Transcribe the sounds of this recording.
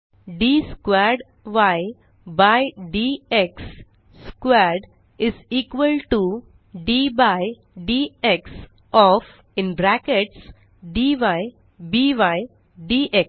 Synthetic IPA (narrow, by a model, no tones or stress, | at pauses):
ɖiːskwɛɾɖ | ʋaɪ | baɪɖiːeksː | kwɛɾɖ | ɪziːkʋəlʈu | ɖiːbaɪ | ɖiːeks | ɔf | ɪ̃nbɾækeʈs | ɖiːʋaɪ | biːʋaɪ | ɖiːʔek